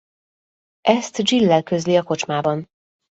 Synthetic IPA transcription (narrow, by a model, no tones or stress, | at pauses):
ʔɛst̪d͡ʒilːɛlkøzliɒko̞t͡ʃmaːbɒn